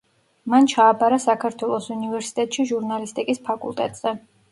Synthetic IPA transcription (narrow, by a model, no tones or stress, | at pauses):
mant͡ʃʰaːbaɾasakʰaɾt̪ʰwɛlˠɔsunivɛɾsi̥t̪ʼɛt̪ʼʃiʒuɾnalist̪ʼikʼispʰakʼṵlˠt̪ʼɛt̪ʼz̥ɛ